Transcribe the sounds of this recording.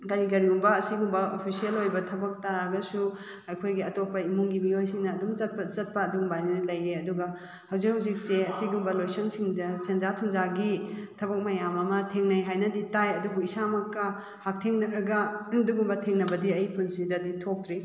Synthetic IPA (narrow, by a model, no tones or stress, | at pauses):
ɡɐɾiɡɐɾiumbɐːsiɡumbɐopʰisielojbɐtʰɐbɐk̚tɐɾaɡɐsu | ɐjkʰojɡiɐtopɐimuŋɡimiojsiŋnɐːdumɐt̚t͡ʃɐt̚pɐːduɡmbajnilɐjeɐduɡɐ | hɐwzik̚hɐwzik̚seɐsiɡumbɐlojsɐŋsiŋɐsenzatʰuŋzaɡitʰɐbɐk̚mɐjamɐmɐtʰeŋnɐjɦajnɐditajɐduɡuisamɐkːɐ | hak̚tʰeŋnɐɾɐɡɐdukɡumbɐtʰeŋnɐbɐdiɐjpʰunsidɐditʰok̚t̪ɾi